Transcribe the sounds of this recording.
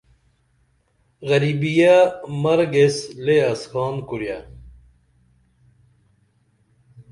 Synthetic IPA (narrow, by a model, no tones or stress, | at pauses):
ɣɐɾibijamɐɾɡesleɐskʰɑːnkuɾja